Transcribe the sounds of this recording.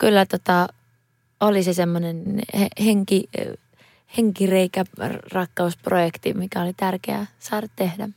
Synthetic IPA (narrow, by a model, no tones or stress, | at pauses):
kylːæt̪ot̪ɑ | olisesemːonenheheŋki | heŋkireikærrɑkːɑusprojekt̪imikæolit̪ærkeæ̰sɑːrɑt̪t̪ehdæ̰